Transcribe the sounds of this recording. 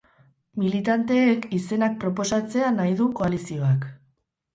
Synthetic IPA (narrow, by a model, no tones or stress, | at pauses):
milit̪ant̪e̞ːkise̞nak̚pɾo̞po̞sat͡se̞anajðuko̞alisio̞ak